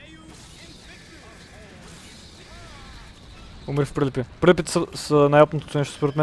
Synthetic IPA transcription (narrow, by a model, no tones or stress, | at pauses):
umɾifpɾilɛpipɾilʲɛpit̪ɛ̥səsənajɔpnot̪o̥t̪ʊnɛʃt̪ospoɾɛt̪mɛ